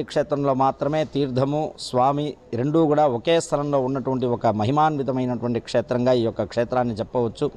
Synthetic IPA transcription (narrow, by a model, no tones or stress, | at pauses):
ikʂɛːt̪ɾɐmlo̞ːmaːt̪ɾɐme̞ːt̪iːɾd̪ʱɐmusʋaːmiɾe̞ɳɖukuːɽaːokeːst̪ʰɐlɐmlo̞ːunːɐʈuʋɐɳʈiɔkɐmɐɦimaːnʋid̪ʱɐmɐjnɐʈuʋɐɳʈikʂɛːt̪ɾɐŋɡaːiːjɔkːɐkʂeːt̪ɾaːnːit͡ʃɛpːɐʋɐt͡ʃːu